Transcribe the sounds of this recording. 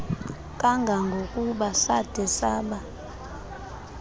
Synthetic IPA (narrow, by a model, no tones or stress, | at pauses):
kʼaŋɡʱaŋɡʱokʼuɓasad̥ʱɛsaːɓa